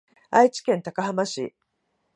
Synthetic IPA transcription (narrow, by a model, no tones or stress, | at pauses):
ait͡ɕi̥kẽ̞nt̪akahamaɕḭ